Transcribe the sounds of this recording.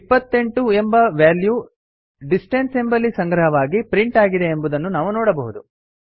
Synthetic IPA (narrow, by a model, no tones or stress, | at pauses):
pːɐt̪ːe̞ɳʈue̞mbɐʋaːlju | ɖisʈense̞mbɐlːisɐŋɡɾɐɦɐʋaːɡipɾiɳʈaːɡid̪e̞ːmbud̪ɐnːunaːʋunɔːɽɐbɐɦud̪u